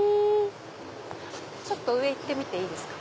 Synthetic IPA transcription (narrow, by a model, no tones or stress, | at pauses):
t͡ɕo̞t̪ːo̞ɯ̟e̞it̪ːe̞mʲit̪e̞iːd̪e̞sɨ̥kḁ